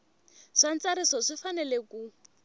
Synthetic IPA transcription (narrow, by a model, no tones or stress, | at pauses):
ʂan̩t͡saɾisɔʂifanɛleku